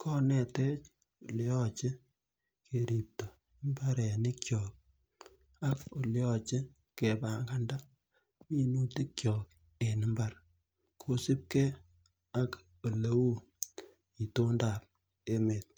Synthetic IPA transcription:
kʰɔ˦nɛ˨te˦t͡ʃ | o˨ljɔ˦t͡ʃɪ˦ | kʰe˨ɾi˨p̚to˨ | mba˦ɾɛ˨nɪ˦kjɔ˨k̚ | a˦ko˨ljɔ˦t͡ʃɪ˦ | ke˨ba˨ŋɡa˦nda˦ | mi˦nu˦ti˦kjɔː˨k̚ | e˨nɪ˨˦mba˨r | kʰo˦sɪ˦p̚ke˦ | a˦k | o˨le˦wu˦ | i˨to˦nda˨p̚ | e˦me˨t̚

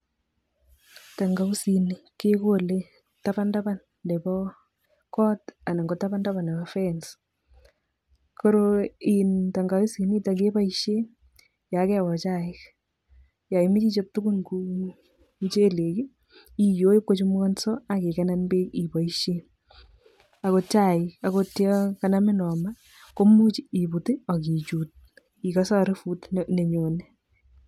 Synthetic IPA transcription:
ta˨ŋɡa˨u˦si˨nɪ˨ke˦ko˦le˦ | taba˦nda˦ba˦n | dɛ˨bɔ | kɔ˦ta˨na˨ŋɡɔ˨ta˦ba˦nda˦βa˨nɛ˨bɔfɛns | ko˦ɾo˦ɪ˨nta˨ŋɡa˨u˦si˨ni˦ta˨ke˦ba˦iʃe˦ | ja˨˦kɛ˦wɔ˨t͡ʃa˨ɪ˦k | ja˨ɪmi˦t͡ʃi˦t͡ʃe˦p̚tʊ˦ɡʊ˦nku˦ | t͡ʃe˦le˨ki˦ | i˨jo˦jɪ˦p̚ko˦t͡ʃu˦m˦ɔ˦nsɔ˦a˨ke˨kɛna˦nbe˦ki˨pa˨iʃe˦ | a˨ko˧t͡ʃa˦˨ɪka˨kotjɔkana˦mɪ˦nɔ˨ma˦ | ko˦mu˦t͡ʃii˨pu˨tɪ˦ɔ˨ki˨t͡ʃu˨t̚ | i˨ka˦sa˦ɾɪ˦fu˦tne˨ɲo˨nɛ˦

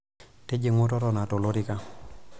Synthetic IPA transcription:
te˦d͡ʒe˨ŋo˦tɔ˦tɔ˨na˨to˨lo˦ɾi˦ka˦

